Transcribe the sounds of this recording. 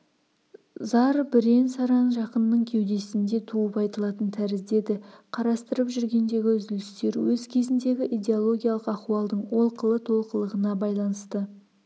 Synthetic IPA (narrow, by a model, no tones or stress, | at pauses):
zɑɾbɪɾe̞nsɑɾɑnʒɑqənːəɴkʲʰe̞wd̪e̞sɪnd̪e̞t̪ʰuəpɑjt̪əlˠɑt̪ənt̪ʰæɾɪzd̪e̞d̪ɪqʰɑɾɑst̪əɾəpʒʏɾɡʲe̞nd̪e̞ɡʲɪʏzɪlɪst̪e̞ɾwɵzkʲʰe̞zɪnd̪e̞ɡʲɪʔijd̪e̞o̞lˠo̞ɡʲijalˠəqɑχuɑlˠd̪əɴwo̞lˠqəlˠət̪ʰo̞lˠqəlˠəʁənɑbɑjlˠɑnəst̪ə